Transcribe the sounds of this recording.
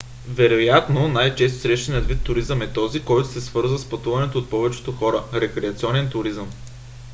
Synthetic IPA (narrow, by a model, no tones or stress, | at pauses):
vɛɾojat̪nonajt͡ʃɛs̬t̪o̥sɾɛʃt̪ɛnʲiət̪vit̪ːʊɾizəmɛt̪ɔzikɔjt̪ʊsɛsvɤɾzvəspɐt̪uvɐnɛt̪oːt̪̚pɔvɛt͡ʃɛ̥t̪oxɔɾəɾɛkɾɛɐt̪siɔnɛnt̪ʊɾizəm